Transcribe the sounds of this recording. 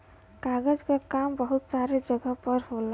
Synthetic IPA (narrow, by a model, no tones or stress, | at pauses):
kaɡəd͡ʒkakambəɦut̪saɾed͡ʒʌɡəpəɾɦol